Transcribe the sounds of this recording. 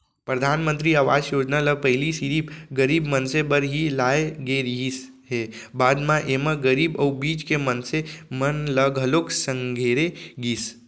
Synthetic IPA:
pɾəd̪ʱanmə̃nt̪ɾiaʋad͡ʒjod͡ʒnaləpəɪlisiɾipɡəɾibmənsebəɾɦilaeɡeɾɦis | ɦebad̪mãʔemãɡəɾibəwbid͡ʒkemənsemənləɡɦəloksəŋɡʱeɾeɡis

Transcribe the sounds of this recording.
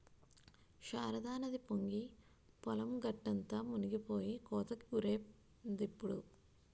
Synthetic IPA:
ʃaːɾɐd̪aːnɐd̪ipoŋɡi | pɔlɐmɡɐʈːɐnt̪ɐmuniɡipoːjikoːt̪ɐkːiɡuɾeː | d̪ipːuɽu

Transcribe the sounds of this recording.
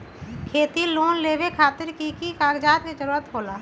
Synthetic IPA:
kʰeːt̪iloːnleːwekʰaːt̪ɪɾkikikaːɡd͡ʒaːt̪ked͡ʒəɾuːɾət̪ɦoːlaː

